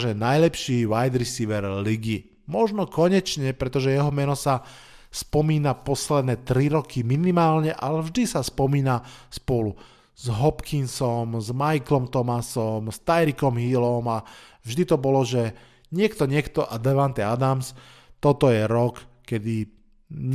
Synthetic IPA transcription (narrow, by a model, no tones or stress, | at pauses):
ʒɛnajlɛpʃiːʋajd̪ɾisiʋɛɾliɡi | mɔʒnɔkɔɲɛt͡ʃɲɛpɾɛt̪ɔʒɛjɛɦɔmɛnɔsa | spɔmiːnapɔslɛd̪nɛːt̪ɾiɾɔkiminimaːlɲɛʔalɛvʒd̪isaspɔmiːnaspʊɔlu | zɦɔpkʰinsɔmzmajklɔmt̪ɔmasɔmst̪ajɾikɔmɦilɔmavʒd̪it̪ɔbɔlɔʒɛ | ɲɪɛkt̪ɔɲɪɛkt̪ɔʔad̪ɛʋant̪ɛad̪ams | t̪ɔt̪ɔjɛɾɔkkɛd̪i